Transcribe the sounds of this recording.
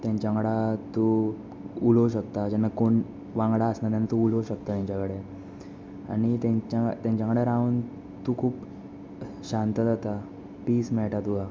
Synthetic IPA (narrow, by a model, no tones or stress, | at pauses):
t̪jaɲt͡ɕaŋɽat̪o | uloɕəkt̪ad͡ʑanːakoɳ | ʋãŋɡɽaəsnat̪̬janːat̪ouloɕəkt̪at̪jaɲt͡ɕakəɽe | a̰ɽ̃it̪ãɲt͡ɕat̪jãɲt͡ɕakəɽeɾauːn | t̪ukʰuːp | ɕãnt̪əd͡zat̪a | piːsmɛɭʈat̪uɦa